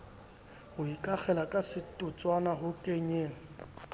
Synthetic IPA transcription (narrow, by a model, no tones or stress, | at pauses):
hʊikʼak͡xʰɛlakʼasɪtʼʊt͡sʼwanaɦʊkʼeɲeːŋ̩